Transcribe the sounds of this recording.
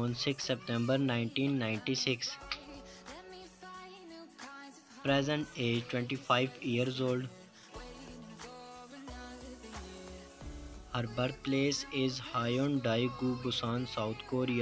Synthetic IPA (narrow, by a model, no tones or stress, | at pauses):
ə̃nsɪksːɛpʈɛ̃mbəɾnãɪ̃ɳʈĩːnːãɪ̃ɳʈisɪks | pɾɛzə̃ɳʈeːd͡ʒʈwɛ̃ɳʈifaɪʋiəɾzoːlɖ | həɾbəɾt̪̚pleːsɪzhaːɪɔ̃nɖaɪɡuːbʊsãːnsaʊt̪ʰkoːɾia